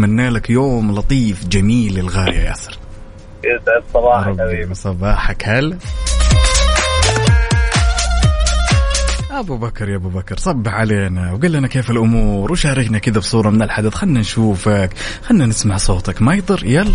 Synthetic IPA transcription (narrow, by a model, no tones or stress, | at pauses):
manːaːlakjoːmlɑt̪ˤiːfd͡ʒamiːlɪlɣaːɾja̰ja̰ːsɪɾ | ʔɪdʕɪdsˤɑbɑːɾˤɑbiːbsˤɑbɑːħakhal | ʔabubakɾˤjaʔbubakɾˤsˤɑbːɪħʕaleːnawɡalːanakeːfɪlʔʊmuːɾwʃaːɾɪknakɪd̪absˤuːɾˤɑmɪnɪlħad̪aθxanːanʃuːfakxanːanɪsmaʕsˤoːt̪akmajd̪ˤɨɾjal